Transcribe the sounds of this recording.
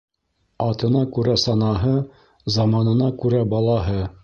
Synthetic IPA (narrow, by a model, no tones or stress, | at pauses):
ɑt̪ɤ̆nɑkʉɾæsɑnɑɦɤ | zɑmɑnɤ̆nɑkʉɾæbɑlˠɑɦɤ